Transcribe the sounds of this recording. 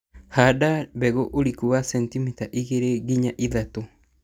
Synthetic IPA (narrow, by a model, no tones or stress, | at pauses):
hadabɛɣoʔoɾikuβasɛntimitaʔiɣeɾeɣiɲaʔiðato